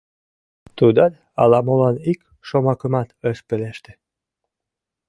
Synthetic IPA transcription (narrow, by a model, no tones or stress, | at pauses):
t̪ud̪ɑt̪ | ɑlɑmolɑnik | ʃomɑkəmɑt̪əʃpeleʃt̪ĕ̥